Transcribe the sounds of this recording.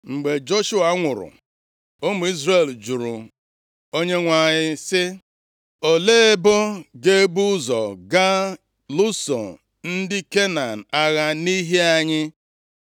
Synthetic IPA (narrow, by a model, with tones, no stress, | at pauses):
ŋ͡m̩˨ɡ͡be˨d͡ʒo˦ʃu˦a˨˦ŋʷʊ˨ɾʊ̰˨ | o˦mu˨i˦zre˨ld͡ʒu˨ɾʊ̰˨ | o˦ɲe˦ŋʷa˨ɲɪ˦sɪ˦ | o˨leː˦e˦bɔ˦ɡe˦bu˦zɔ̰˨ɡa˦ | lu˦sɔ̰˨ | n̩˦dɪ˦ke˦na˨n̩˨a˦ɣa˦ni˦ɦe˦a˦˨ɲɪ˦